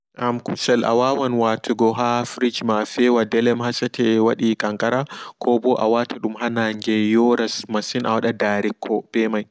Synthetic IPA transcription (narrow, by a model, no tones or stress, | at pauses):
ʔamkusɛlʔa̰waːwanwatʰuɡɔɦafɾid͡ʒmafɛwadɛlɛmhasatɛwaɗikʼaŋkʼaɾakʰɔbɔʔa̰watʰaɗumɦanand͡ʒɛjɔɾasmasina̰waɗadaːɾikʰːɔb̥ɛmaj